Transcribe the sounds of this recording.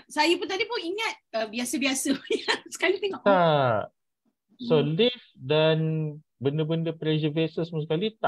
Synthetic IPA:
sajap̬ʊnt̪adipʊniŋat̪̚əbiasəbiasəjasə̥kalit̪eŋɔʔa | solifdan | bəndəbəndəpɾɛzəvesəspuŋsəkalit̪a

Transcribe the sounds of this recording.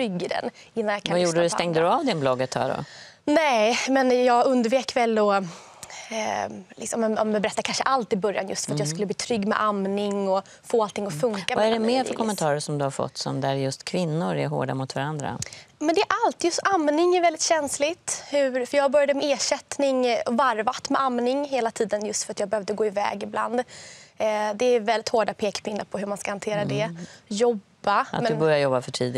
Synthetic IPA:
t̪ʰɾʏɡːɪd̪ɛ̰n | ɪnːanjakʰavajuːɖəd̪ɵst̪ɛŋd̪əɾɵavd̪ɪnblɔɡːət̪hœ̰ɖɔ̰ | nɛmɛnjɑːɡɵnd̪əɾveːkvɛlːɔ | lɪ̰ksɔmɛɔmɛbɛɾɛt̪ːaɾkʰanʂəʔalt̪ɪbœɾja̰njɵst̪fœɾat̪jɑːs̬kɵlːəbliːt̪ʰɾʏɡːmɛ̰ʔamnɪŋɔ | foːalt̪ʰɪŋːɔfɵŋkavaɛɖɛmmeːɾfœɾk̪ʰɔmːɛnt̪ʰɑːɾəʂɔmd̪ɵhaɾfɔ̰t̪ːsɔ̰md̪æɾjɵst̪kʰvɪnːʊɾæɾɦo̰ːɖa̰mʊt̪vaɾand̪ɾa̰mɛnd̪ɛʔalt̪jɵst̪amnɪŋæɾvɛlɪt̪ɕɛnslɪt̪hɵɾfœɾjɑːabœɾjad̪əmɛeːʂɛt̪nɪŋɔvaɾvat̪mɛʔamnɪŋɦeːlat̪ʰiːd̪ənjɵst̪fœɾat̪jɑːɡbɛhœːvd̪əɡoːɪvɛ̰ːɡɪbla̰nd̪ | d̪ɛːvɛlːɪt̪hoːɖapʰeːkpʰɪnːaɾpʰɔɦɵmanskahant̪ʰeːɾad̪ɛjɔbːaat̪mɛd̪bœɾjaɾjɔbːafœʈʰḭːd̪ɪ

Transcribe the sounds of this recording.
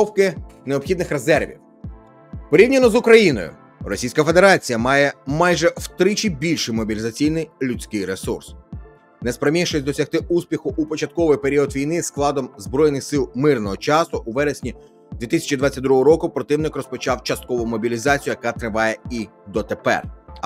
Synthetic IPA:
ɔwkɪneɔbxʲid̪nɪxre̞zɛrʋʲḭw | pɔɾʲiwnʲɐnɔzʊkɾɐjinɔ̰jʊ̰ | rɔsʲijsʲkɐfed̪e̞ɾɑt͡sʲijɐmɑjɛmɑjʒɛwt̪ɾɪt͡ʃibʲilʲʃɪjmɔbʲilʲɪzɐt͡sʲijnɪjlʲʊt͡sʲkɪjɾesṵrs | nespɾɐmʲiʃɔsʲd̪ɔsʲɐxt̪ɪuspʲixʊʔupɔt͡ʃɐt̪̚kɔʋɪjpeɾʲiɔd̪ʋʲijnɪsklˠɑd̪ɔmzbɾɔjnɪxsɪlˠmɪrnɔɦɔt͡ʃɑsʊʔuʋɛɾesʲnʲi | d̪ʲʋʲit̪ɪsʲɐ̥t͡ʃid̪ʋɑt͡sʲɐt̪̚ʲd̪ɾuɦɔɾɔkʊpɾɔt̪ɪwnɪkrɔspɔt͡ʃɑwt͡ʃɐst̪̚kɔʋʊmɔbʲilʲizɑt͡sʲijʊjɐkɑt̪ɾɪʋɑjɛi | d̪ɔt̪e̞pɛ̰r

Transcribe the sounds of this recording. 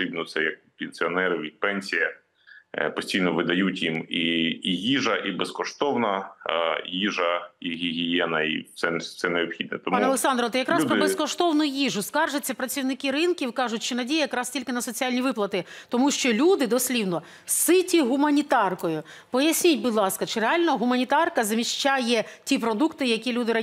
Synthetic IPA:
ɾʲibnɔt̪sɛjɐk̚pʲɪnʲsʲiɔnɛɾɪʋʲipɛnʲsʲijɐ | pɔsʲtʲijnɔʋɪd̪ɐjutʲjimiijiʒɐʔibeskɔʃt̪ɔwnɐ | jiʒɐiɦʲiɦʲijɛnɐḭt̪sɛsɛneɔpxʲid̪̚nɛt̪ɔmuɐlˠeksɑnd̪ɾɔt̪ɪjɐkɾɑsʲuɾɔɪbeskɔʃt̪ɔwnʊjiʒʊskɑrʒɪt͡sʲːɐpɾɐt͡sʲiwnɪkɪɾɪnkʲiwkɑʒʊtʲt͡ʃɪnɐdʲijɐjɐkɾɑstʲilʲkɪnɐsɔt͡sʲiɑlʲnʲiʋɪplˠɐt̪ɪt̪ɔmuʃt͡ʃɔlʲud̪ɪd̪ɔsʲlʲiwnɔ | sɪtʲiɦumɐnʲit̪ɑrkɔjʊ | pɔjɐsʲnʲitʲbʊd̪ʲlˠɑskɐt͡ʃɪɾeɑlʲnɔɦʊmɐnʲit̪ɑrkɐzmʲiʃt͡ʃajɛtʲipɾɔd̪ukt̪ɪjɐkʲilʲud̪ɪɾɐ

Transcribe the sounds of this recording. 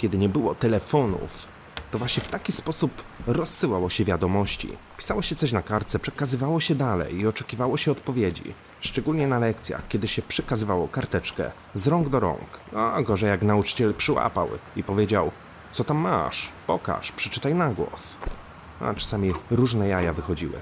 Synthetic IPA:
kʲɛd̪ɘɲɛbɘwɔ̰t̪ɛlɛfɔnṵf | t̪ɔvwaɕɲɛft̪akʲispɔsupɾɔsːɘwawɔɕɛvʲjad̪ɔmɔɕt͡ɕḭ | pʲi̥sawɔɕɛt̪sɔɕ̬nakaɾt̪sɛpʂɛkazɘvawɔɕɛd̪alɛ̰jiɔt͡ʂɛkʲivawɔɕɛɔt̪pɔvʲjed͡ʑḭ | ʂt͡ʂɛɡulɲɛnalɛk̚t̪sʲja̰xkʲɛd̪ɘɕɛpʂɛkazɘvawɔkaɾt̪ɛt͡ʂkɛ̰ | zɾɔŋɡd̪ɔɾɔ̰ŋkaɡɔʐɛjaknaut͡ʂɘ̥t͡ɕɛlpʂɘwa̰pa̰wipɔvʲjed͡ʑaw | t̪sɔt̪amːa̰ʂpɔ̰ka̰ʂpʂɛ̥t͡ʂɘt̪ajnaɡwɔ̰s | a̰t͡ʂḁsamʲiɾuʐnɛjajavɘxɔd͡ʑḭwɘ̰

